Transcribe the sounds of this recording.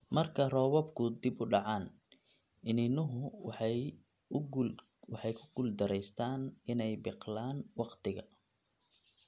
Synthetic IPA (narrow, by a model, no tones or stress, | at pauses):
mɐrkʰɐrɔːwɔbkʰʊd̪ɪbʊɖɑʕɑːn | ʔɪnɪnʊɦʊwħ | wɑħɑjkʰʊ̥ɡ̥ʊld̪ɐɾɛjst̪ʰaːnɪnɛjbɪqlaːnwɑqt̪ʰɪɣɐ̰